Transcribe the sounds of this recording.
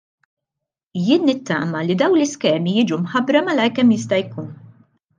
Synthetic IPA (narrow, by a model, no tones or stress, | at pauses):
jɪːnːɪt̪ːɐ̰ːmɐlid̪ɐwnlɪskɛːmijɪːd͡ʒumħɐbɾɐmɐlɐjkɛmjɪst̪ɐjkuːn